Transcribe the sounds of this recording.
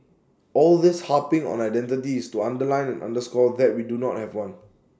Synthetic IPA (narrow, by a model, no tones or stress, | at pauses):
ɔldɪshapɪ̃ŋɔ̰̃naɪdɛ̃ntɪtiːstuãndəlãɪ̃nɛ̃nʔã̰ndəskɔd̪ɛt̚widunɔt̚hɛvwãn